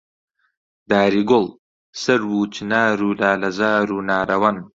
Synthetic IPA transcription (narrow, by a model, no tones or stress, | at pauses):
d̪aːɾiɡʊl | sɐɾwuːt͡ʃinaːɾulaːlɐzaːɾunaːɾawan